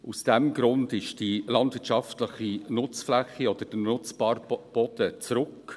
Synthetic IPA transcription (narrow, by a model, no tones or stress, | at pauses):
ʔusd̥ɛmɡɾʊndɪʃd̥ilɑndvɪɾtt͡ʃʃɑftləχinʊt͡sflɛχːiɔd̥̪əd̥ənʊt͡sbɑːɾb̥ɔd̥ət͡sɾʊk